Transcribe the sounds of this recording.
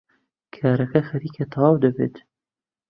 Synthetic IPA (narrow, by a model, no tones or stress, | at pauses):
kʰaːɾɐkɐxɐɾiːket̪ʰɑwaːwd̪ɐbḛːt̪